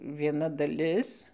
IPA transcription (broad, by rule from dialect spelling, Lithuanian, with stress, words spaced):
ʋʲiɛˈnɐ dɐˈlʲɪs